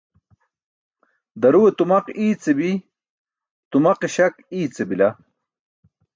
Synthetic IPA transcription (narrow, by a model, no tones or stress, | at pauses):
d̪ɐɾuwet̪umɐqiːt͡sebi | t̪umɐqeɕɐkiːt͡sebila